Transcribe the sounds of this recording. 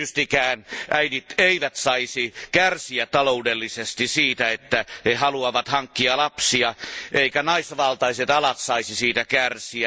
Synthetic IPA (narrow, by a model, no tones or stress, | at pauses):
yst̪ikæːnʔæinit̪eiʋæt̪sɑisikærsiætt̪ɑloudelːisest̪isiːt̪æet̪ːæhehɑluɑʋɑt̪hɑŋkːiɑlɑpsiɑʔeikænɑisʋɑlt̪ɑiset̪ɑlɑt̪sɑisisiːt̪ækærsiæ